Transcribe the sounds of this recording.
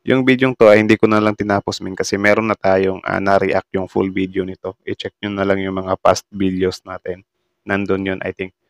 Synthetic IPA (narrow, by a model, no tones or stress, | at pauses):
jʊŋbid̪joŋt̪o̞ɐjhɪnd̪iːkʊnɐlaŋt̪ɪnaːposmɪnkɐsɛmɛːɾonːɐt̪aːjoŋʔɐ̰nɐɾḭʔa̰k̚t̪jʊŋfṵlbid̪eonɪt̪o̞ʔɪt͡ʃɛk̚ɲʊnɐlaŋjʊŋmɐŋapa̰st̪̚bid̪josnaːt̪ɛnː | and̪onjonʔɐ̰jt̪ɪŋk̚